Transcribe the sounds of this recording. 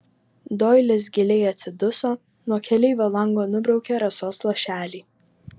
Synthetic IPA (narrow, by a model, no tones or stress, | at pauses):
d̪oːjlʲɪs̬ɡʲɪlʲɛɪɐt̪sʲɪd̪ʊsoː | nuɔkʲɛlʲɛɪʋʲolˠɐŋɡoːnʊbɾɒʊkʲeːɾɐsoːslˠɐʃʲæːlʲiː